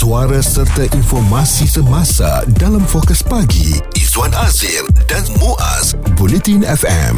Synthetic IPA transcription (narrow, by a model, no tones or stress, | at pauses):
suaɾasərt̪aʔinfɔrmãsisəmãsa̰dalamfɔkəspaɡḭ | izwanazildanmõʔa̰s | bulɛt̪inɛfɛ̰m